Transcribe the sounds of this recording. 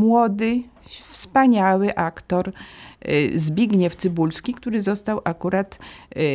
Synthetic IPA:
mwɔd̪ɘfspaɲawɘʔakt̪ɔɾ | zbʲjiɡɲɛft̪sɘbulskʲikt̪uɾɘzɔst̪awʔakuɾat̪

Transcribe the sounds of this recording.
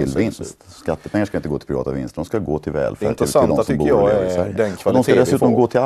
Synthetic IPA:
ɪlvɪnst̪skat̪ːəpʰɛŋːaʂkaɪnəɡoːt̪ɪ̥pɾɪɑ̰ːt̪avɪ̰nst̪d̪ɔmskaɡoːt̪ʰɪlvɛ̰ːlfɛ̰ɾsd̪sɔmbuːɪsæɾjəɛnkʰvad̪ɔmsʰkad̪ɛsʉːt̪ɔmɡoːt̪ʰɪl

